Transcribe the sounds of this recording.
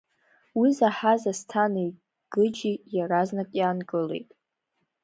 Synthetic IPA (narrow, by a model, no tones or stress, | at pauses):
wizaħazastʰanɨi | ɡ̥ɨd͡ʒijaɾaznakʼjaːnɡɨle̞̰jtʼ